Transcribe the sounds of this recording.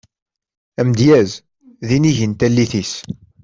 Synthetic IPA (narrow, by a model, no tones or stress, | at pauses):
æmd̪jæz | ðiniʝənt̪ælːiθis